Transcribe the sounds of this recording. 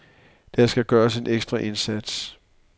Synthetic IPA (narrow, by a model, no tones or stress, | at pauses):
d̥æsɡ̥æɡ̥ɶːɐse̝nʔeɡ̥sd̥ʁɑʔe̝nsæd̥s